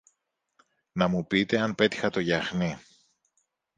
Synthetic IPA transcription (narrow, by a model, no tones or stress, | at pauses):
nɐmupit̪e̞ɐnpe̞t̪i̥xɐt̪o̞ʝɐxni